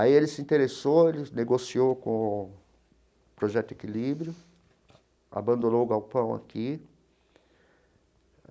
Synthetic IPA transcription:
aielɪsɪĩnt̪eɾesowelɪneɡosiokõ | pɾoʒɛt̪ʊekilibɾjʊ | a̰bɐ̃nd̪õnoʊɡawpɐ̃w̃a̰kʰi

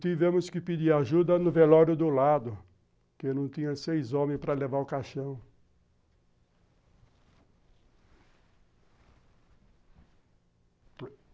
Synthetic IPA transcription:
t̪ivẽmʊskɪpid͡ʒiaʒud̪ɐnʊvelɔɾjʊd̪ʊlad̪ʊ | kenɐ̃w̃t̪ĩɲɐ̃sejzõmẽj̃pɾɐlevaɾʊkaʃɐ̃w̃

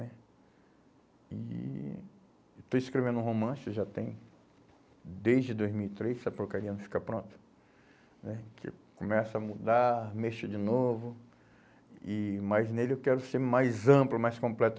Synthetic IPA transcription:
nɛ | ɪ̰ | t̪oĩskɾevẽnd̪ũɦomɐ̃sɪʒat̪ẽj̃ | d̪ejzd͡ʒɪd̪ojzmiwit̪ɾejsɐpoɾkaɾiɐnɐ̃w̃fi̥kɐpɾõnt̪ɐ̥ | nɛkʰɪ̰kõmɛsɐɐmud̪aɾmeʃʊd͡ʒɪnovʊ | ɪmaznelɪewkɛɾʊseɾmajzɐ̃plʊmajskõmplɛt̪

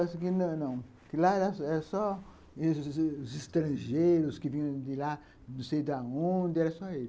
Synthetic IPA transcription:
ɛsɐkɪnɐ̃w̃nɐ̃w̃ | kɪlaɛɾaɛɾɐsɔ | uzɪst̪ɾɐ̃ʒejɾʊskɪvĩɲɐ̃d̪ɪla | nũsejʊd̪ɐõnd̪ɐɛɾɐsɔel

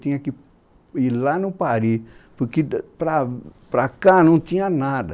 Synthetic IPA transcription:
t̪ĩɲɐki | ilanɐ̃paɾipoɾkepɾapɾakanɐ̃w̃t̪ĩɲɐnad̪ɐ

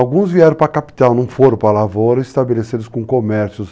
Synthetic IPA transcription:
awɡũzviɛɾɐ̃w̃pɾɐkapi̥t̪awnɐ̃w̃foɾʊpɾɐlavowɾɐist̪abelesid̪ʊskõkomɛɾsjʊs

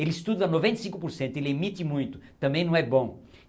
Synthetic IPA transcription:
elɪist̪ud̪ɐnovẽnt̪ɐsĩŋkʊpoɾsẽnt̪ʊelɪemit̪ɪmũj̃t̪ʊ̥t̪ɐ̃mbẽj̃nɐ̃w̃ɛbõ

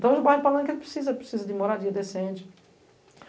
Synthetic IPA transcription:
t̪ɐ̃w̃eʒbajlpalɐ̃nkelpɾɪ̥sizɐepɾɪ̥sizɐd̪ɪmoɾad̪iɐd̪esẽnt͡ʃɪ̥

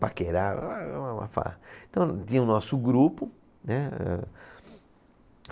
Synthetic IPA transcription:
pakeɾaama̰fa̰ẽt̪ɐ̃w̃t̪ĩɲɐ̃ũnɔsʊɡɾupʊ | nɛɛ̰

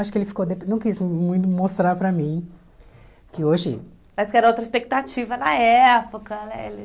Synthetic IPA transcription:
aʃʊkɪelɪfi̥kod̪epnɐ̃w̃kizmũj̃t̪ʊmost̪ɾaɾpɾɐmĩ | kɪoʒɪ̰ | maskɛɾɐowt̪ɾɐispek̚t̪at͡ʃivɐnɐɛpokɐnɛḛlɪ

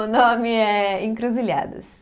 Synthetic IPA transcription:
ʊnõmɪɛẽŋkɾoziʎa̰d̪ɐ̰s

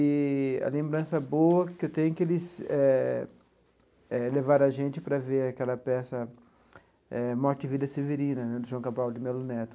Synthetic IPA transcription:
ɪɐ̰lẽmbɾɐ̃sɐboɐkɪewt̪ẽjɲʊkɪelɪsɛ | ɛlevaɾɐʒẽnt͡ʃɪpɾɐveɾakɛlɐpɛsɐ | ɛmɔɾt͡ʃɪɪvid̪ɐseveɾĩnɐnɛd̪ʊʒuɐ̃w̃kabawd̪ɪmɛlʊnɛt̪ʊ̥

